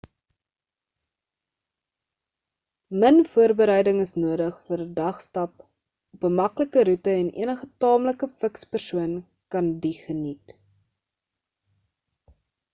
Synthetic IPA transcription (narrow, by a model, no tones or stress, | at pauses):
mənfuərbəɾɛjdəŋəsnuədəχfəɾədɐχstɐp̚ | ɔpəmɐkləkəɾutəɛnʔḭənəχətɑːmləkəfəkspərsuən | kɐndiχənit